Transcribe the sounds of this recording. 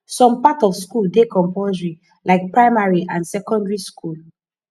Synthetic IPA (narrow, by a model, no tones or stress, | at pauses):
sɔ̃mpatɔfskuldekɔ̃mpozɹi | lʔaɪk̚pɹaɪmaɹiʔãnsɛkɔ̃ndɹiskul